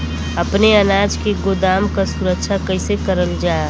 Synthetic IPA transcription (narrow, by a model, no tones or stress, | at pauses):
əpneənaːd͡ʒkeɡod̪aːmkasuɾəkʃʰakəɪsekəɾəld͡ʒaː